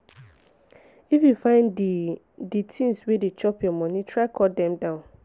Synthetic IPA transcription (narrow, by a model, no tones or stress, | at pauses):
ifjufãɪ̃nd | ditʰĩnswedet͡ʃɔpjɔmɔ̃nĩtʰɹaɪkʰɔtdɛ̃mdãʊ̃n